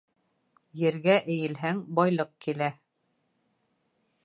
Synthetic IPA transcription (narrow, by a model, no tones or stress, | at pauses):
jɘ̆ɾɡæʔɘ̆jɘ̆lɦæŋbɒjlˠɤq̚kilæ